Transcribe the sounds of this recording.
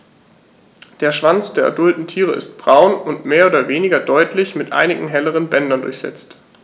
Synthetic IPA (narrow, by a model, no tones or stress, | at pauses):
d̥eːɐʃv̥ant͡sd̥eːɐʔa̰dʊltn̩tʰiːʁ̞əɪ̰st̚b̥ʁaʊnʊntmeːɐʔoːdɐveːnɪɡɐdɔʏtlɪçmɪtʔa̰ɪnɪɡŋ̩ɦɛləʁ̞ənbɛndɐndʊɐçz̥ɛ̰t͡st